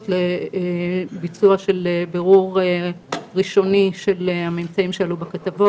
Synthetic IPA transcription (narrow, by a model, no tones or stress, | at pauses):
tle | bit͡suaʃe̞lebeʁuʁ | ʁiʃo̞niʃe̞lhamemt͡saimʃealubekat̪avo